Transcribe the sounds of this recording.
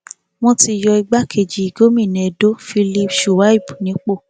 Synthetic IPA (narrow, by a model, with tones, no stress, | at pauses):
w̃ɔ̃˧ti˧jɔ˧i˧ɡ͡ba˦kʰe˧˨d͡ʒi˨˦i˧˨ɡo˦mĩ˦˨nɛ̃˨e˨do˦fi˧li˧pʃu˨wa˨˦i˦˨bu˨nĩ˨˦k͡po˦˨